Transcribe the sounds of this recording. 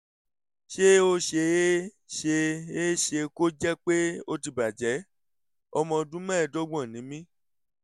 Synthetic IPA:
ʃe˦o˧ʃe˧e˦ | ʃe˧e˦ʃe˧ko˦d͡ʒɛ˦k͡pe˦o˧ti˧˨ba˨d͡ʒɛ˨˦ | ɔ˧mɔ̃˧dũ˦mɛ̃˦˨do˦ɡ͡bɔ̃˦˨nĩ˨˦mĩ˦

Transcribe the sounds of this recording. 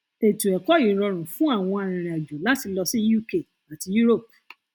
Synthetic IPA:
e˨tũ˨ɛ˨kɔ˨˦jĩ˨˦ɾɔ˧ɾ̃ũ˨fũ˦a˦˨w̃ɔ̃˧a˨ɾ̃ĩ˨ɾ̃ĩ˨a˨d͡ʒu˨la˨˦ti˧lɔ˧sĩ˦ju˦˨ke˦˨ | a˨ti˧ju˦ɾo˦˨p̚

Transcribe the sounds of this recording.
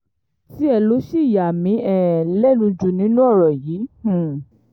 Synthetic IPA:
si˦ɛ˧lo˨˦ʃi˦˨ja˨mĩ˨˧˦ɛ˦˨lɛ˦nũ˧d͡ʒu˨nĩ˨˦nũ˦ɔ˦˨ɾɔ˨jĩː˨˦˨

